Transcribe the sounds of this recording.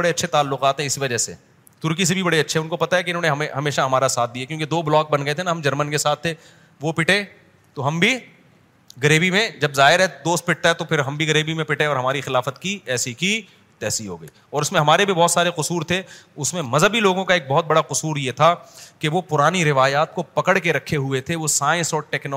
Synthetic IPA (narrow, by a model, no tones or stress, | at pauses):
ɐɽeɐtːʃʰet̪aːlːʊqaːt̪ɦɛ̃ɪsiʋɐd͡ʒɛsḛ | t̪ʊɾkis̬ebʱibɐɽeɐtːʃʰeʊ̃nkopɐt̪aɦɛkeɪnɦõːneɦɐmeɦɐmeːʃaɦɐmaːɾasaːt̪̚d̪ijakjõːked̪oːblɔːk̚bɐnɡəɐet̪ʰenaɦɐmd͡ʒɐɾmənkesaːt̪ʰːe | ʋopɪʈẽ | t̪oɦɐmbʱi | ɡɐɾeːbimẽd͡ʒɐbzaːɦɪɾɦɛd̪oːst̪̚pɪʈ̚t̪aɦɛt̪opʰɪɾɦɐmbʱiɡɐɾeːbimẽpɪʈẽɔːɾɦɐmaːɾixɪlaːfət̪kiɛːsiki | t̪ɛːsiɦo̰ːɡɐḭːɔːɾʊsmẽɦɐmaːɾebʱibɔːt̪saːɾeqʊsuːɾt̪ʰeʊsmẽmɐzʱəbiloːɡõkaeːk̚bɔɦʊt̪̚bɐɽaqʊsuːɾjet̪ʰakeʋopʊɾaːniɾɪʋaːjaːt̪̚kopɐkəɽkeɾɐkʰːeɦʊet̪ʰeʋosaːɪ̃nsɔːʈɛːknː